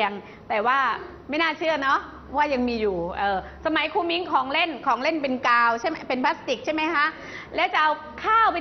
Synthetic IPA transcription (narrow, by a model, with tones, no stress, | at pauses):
əŋ | t̪ɛː˨˩waː˥˩ | ma˥˩jnaː˥˩t͡ɕʰɯ˥˩ɐnɔ˦˥ʔ | waː˥˩ja˧ŋmiː˧juː˨˩ʔɤː˧ | sa˧ma˩˦jkʰuː˧mi˦˥ŋkʰɔː˩˦ŋle˥˩nkʰɔː˩˦ŋle˥˩np̬e˧nkaː˧wt͡ɕʰa˥˩pe˧npʰa˦˥st̪i˨˩k̚t͡ɕʰa˥˩ma˦˥jkʰa˦˥ʔ | lɛː˦˥wt͡ɕa˨˩ʔa˧w | kʰaː˥˩wpa˧